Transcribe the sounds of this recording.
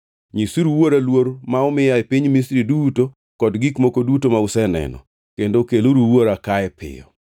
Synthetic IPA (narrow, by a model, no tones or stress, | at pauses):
ɲisuɾuwoɾalwoɾmaɔmɪjaepiɲmisɾiduto | kɔdɡikmokodutomausɛnɛ̰nɔ̰ | kendokeloɾuwoɾakaɛpɪ̰jɔ̰